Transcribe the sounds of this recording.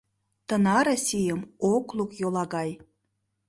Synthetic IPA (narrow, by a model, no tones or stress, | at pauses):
t̪ə̆nɑɾosʲijəmoklˠukjolˠɑɣɑj